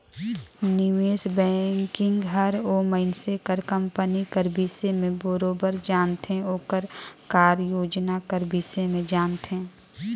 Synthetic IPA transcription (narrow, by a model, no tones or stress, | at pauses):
nɪʋeːsbɛ̃ːŋkɪ̃ŋɡɦəɾoːməɪnsekəɾkə̃mpnikəɾbisemẽbəɾoːbəɾd͡ʒaːnt̪ẽoːkəɾkaːɾjoːd͡ʒnakəɾbiːsemẽd͡ʒaːnt̪ẽː